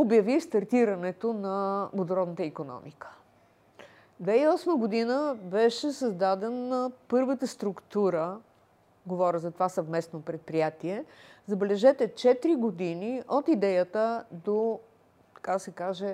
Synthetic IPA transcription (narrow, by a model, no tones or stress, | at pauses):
objɐvist̪ɐɾt̪iɾɐnɛt̪onɐbod̪oɾɔd̪nət̪əikonɔ̰mikə̥ | d̪vɛiɔsməɡod̪inəbɛʃɛsəzd̪ad̪ɛnːəpɤɾvət̪əst̪ɾukt̪uɾə | ɡovɔɾʲəzɐt̪ovasəvmɛsnopɾɛt̪̚pɾijat̪iɛzɐbɛlɛʒɛt̪ɛt͡ʃɛt̪ɾiɡod̪iniot̪id̪ɛjət̪əd̪o | t̪ɐ̥kad̪əsɛkaʒɛ